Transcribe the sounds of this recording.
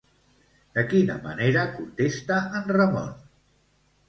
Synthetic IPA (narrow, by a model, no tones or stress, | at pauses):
d̪əkinə̰mə̰neɾəkunt̪est̪əːnrəmɔ̰n